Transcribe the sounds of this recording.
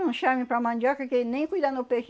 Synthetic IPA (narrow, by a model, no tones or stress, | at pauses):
ũʃamĩpɾamɐ̃nd͡ʒakɐkenẽj̃kujd̪anʊpek